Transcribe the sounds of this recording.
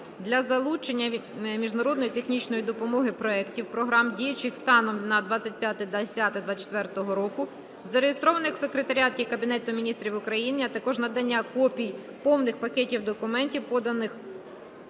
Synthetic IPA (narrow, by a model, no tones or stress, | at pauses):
d̪lʲɐzɐlˠut͡ʃenʲːɐmʲiʒnɐɾɔd̪nɔjit̪e̞xnʲit͡ʃnɔjid̪ɔpɔmɔɦɪpɾɔɛktʲiwpɾɔɦɾɑmdʲijɐt͡ʃɪxst̪ɑnɔmnɐd̪ʋɑt͡sʲːɐt̚ʲpʲjat̪ɪd̪ɐsʲat̪ɪd̪ʋat͡ʃe̥t̪ʋɛrt̪ɔɦɔɾɔkʊ | zɐɾejest̪ɾɔʋɐnɪxwsekɾet̪ɐɾʲat̪ʲikɐbʲinɛt̪ʊmʲinʲist̪ɾʲiwʊkɾɐjiniɐt̪ɐkɔʒnɐd̪ɐnʲːakɔpʲij | pɔwnɪxpɐkɛtʲiwd̪ɔkʊmɛnʲtʲiwpɔd̪ɐnɪx